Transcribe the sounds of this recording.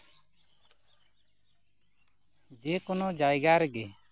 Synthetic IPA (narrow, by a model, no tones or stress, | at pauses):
d͡ʒekɔnɔd͡ʒajɡaɾɛɡɛ